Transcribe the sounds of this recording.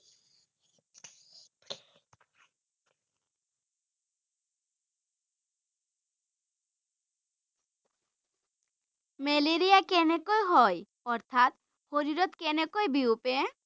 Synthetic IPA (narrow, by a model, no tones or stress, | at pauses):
meleɾijakenekojɦɔj | ɔɾt̪ʰat̪ | hoɾiɾot̪kenekojbiupe